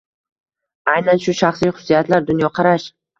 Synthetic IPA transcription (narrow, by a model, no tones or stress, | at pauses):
ajnanʃʊʃɑχsijχʊ̥sːijat̪laɾd̪ʊnjɒqʰɑɾaʃ